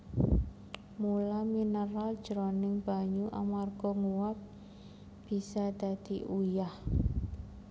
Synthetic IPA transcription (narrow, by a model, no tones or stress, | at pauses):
mulaminəɾald̥ʒ̥əɾonɪŋb̥a̤ɲuʔa̰marɡ̥ɔ̤ŋuwap̚ | b̥i̤sad̪̥a̤d̪̥i̤ʔujah